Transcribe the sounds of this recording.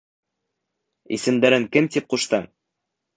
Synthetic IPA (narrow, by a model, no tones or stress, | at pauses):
ḭsɘ̆md̪æɾɘŋkɘmt̪ip̚quʃt̪ɤm